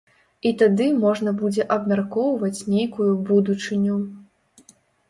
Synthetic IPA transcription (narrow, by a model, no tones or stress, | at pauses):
it̪ad̪ɨmɔʐnɐbud͡zʲɛʔɐbmʲarkɔwvɐt͡sʲnʲejkujubud̪ut͡ʂɨnʲu